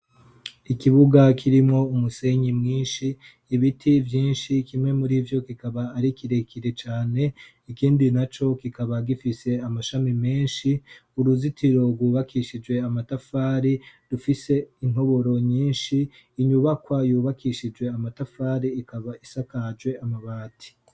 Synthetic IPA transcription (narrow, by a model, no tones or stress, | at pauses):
ikiβuɡakʰiɾimŋo̞umuse̞ɲimŋiːnʃiː | βitʰivjiːnʃikimŋe̞muɾivjo̞kikaβaːɾikiɾe̞kʰiɾe̞t͡ʃaːne̞ | ikiːndinat͡ʃo̞kikaβaɡifise̞amaʃamime̞ːnʃiuɾuzitʰiɾo̞ɾɡwuːβakʰiʃid͡ʒwe̞amatafaːɾidufise̞in̥ho̞βo̞ɾo̞ɲiːnʃiː | ɲuβakwajuːβakʰiʃid͡ʒwe̞amatafaːɾiːkaβaisakad͡ʒɡwe̞amaβaːtʰi̥